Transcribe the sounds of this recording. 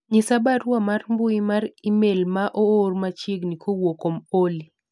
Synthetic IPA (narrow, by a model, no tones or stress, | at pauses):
ɲɪsabaɾwamarmbʊimaɾimelmaʔoːrmat͡ʃiɡnikʰowokomoli